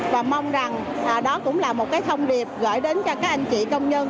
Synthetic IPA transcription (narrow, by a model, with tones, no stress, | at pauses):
vaː˨˩ma˧wŋ͡mza˨˩ŋ | ʔəː˨˩ɗɔ˨˦kʊ̰˧˥ŋ͡mlaː˨˩mo˨˩t̚kaː˨˦jt̪ʰə˧wŋ͡mɗi˨˩əp̚ɣə̰ː˧˩jɗe˨˦nkːkaː˦˥k̚ʔa˧jŋ̟t͡ɕḭ˧˨kə˧wŋ͡mɲə˧n